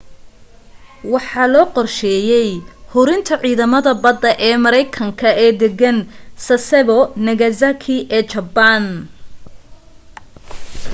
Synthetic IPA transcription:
wɑħɑːlɔːqɔrʃɛːjɛjhʊɾɪnt̪ʰɐʕiːðɐmɐðɐbɐd̪ɐʔɛːmɐɾɛjkʰɐŋkʰɐɛːd̪ɛɡɐnsɐsɛβɔnɐɣɐzakʰiʔɛːt͡ʃɐban

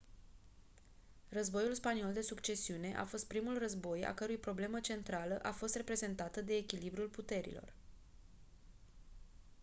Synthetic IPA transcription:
rəzbo̞julspanio̞ld̪e̞sukt͡ʃe̞siune̞ʔa̰fo̞st̪̚pɾimulrəzbo̞ja̰kəɾujpɾo̞ble̞mət͡ʃe̞nt̪ɾaləʔafo̞st̪re̞pɾeze̞nt̪at̪əd̪e̞ːkʲilibɾulput̪e̞ɾḭlo̞̰r

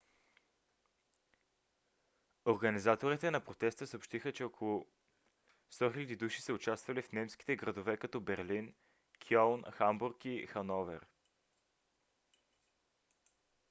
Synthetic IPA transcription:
oɾɡɐnizat̪oɾit̪ɛnɐpɾot̪ɛst̪əsəopʃt̪ixət͡ʃɛokʰolˠʊ | st̪ɔxʲilʲɐd̪id̪uʃisəʊt͡ʃast̪vɐlifnɛmsk̟i̥t̪ɛɡɾɐd̪ovɛkɐt̪ɔbɛɾlin | kʰiɔlˠnxambuɾkixɐnɔvɛ̰ɾ

